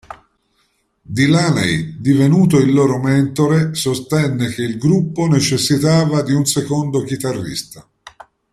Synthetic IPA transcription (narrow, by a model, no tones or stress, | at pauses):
d̪ilanɛ̰jd̪ivenuːt̪oilːɔːɾomɛnt̪oɾesost̪ɛnːek̟eilɡɾupːonet͡ʃesːit̪aːvad̪iunsekond̪ok̟it̪arːḭst̪a